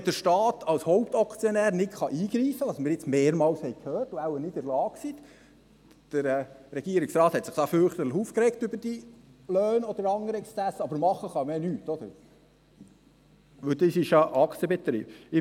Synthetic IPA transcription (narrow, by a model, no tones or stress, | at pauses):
d̥̪əɾʃtɑːt̪ʰɑlshoʊpt̪ɑkt͡sjonæːɾnɪtχɑʔiːɡɾiːfːədɑsmɪɾjɪt͡smeːɾmɑːlshɛɪkʰhøːrtʊæwənɪdɪɾlɑːksit̪ | d̥əɾɛːɾɛɡ̥iəɾɪksɾɑːt̪hɛt̪sɪχd̥ɑːfʏɾχt̪ətləχuːfkɾɛktʏbəɾd̥i | løːnɔd̪əɾɑŋːəɾɛkst͡sæsːəɑbəɾmɑχəχɑmeːnyːt̪ːɔd̪əɾ | ʋɵld̪isɪʃjɑʔɑkt͡siəbɛt̪ɾḭːb̥ɪ